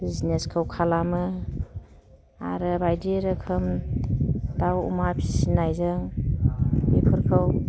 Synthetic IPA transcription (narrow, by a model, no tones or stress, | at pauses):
b̥izneskʰɯwkʰalamɯ | a̰ɾɯbajdeɾɯkʰɯm | dawṵmapʰi̥sinajzɯŋ | bepʰɯɾkʰɯw